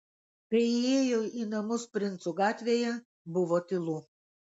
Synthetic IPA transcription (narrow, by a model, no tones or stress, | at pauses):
kɐɪɪeːjoːiːnɐmʊspʲɾʲɪnt̪suɡɑːt̪ʲʋʲeːjɛ | bʊʋoːt̪ʲɪlˠuː